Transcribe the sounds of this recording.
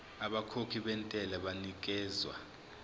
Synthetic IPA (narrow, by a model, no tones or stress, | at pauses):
aɓakʰokʰiɓɛntʼɛlɛɓanik̬ʼɛːzwa